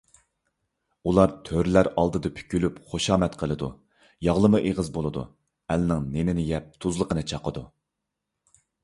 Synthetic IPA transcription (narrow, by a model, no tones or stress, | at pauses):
ulˠɑɾt̪ʰøɾlæɾɑlˠd̪ɨd̪ɨpʰy̥kʲʰylypχoʃɑːmɛt̪qʰəlˠɨd̪u | jɑʁlˠɨmɨʔeʁəzbolˠɨd̪ṵ | ɛlnɪŋnenɪnɪjɛp̚t̪ʰuzlˠəqənɨt͡ʃʰɑqəd̪u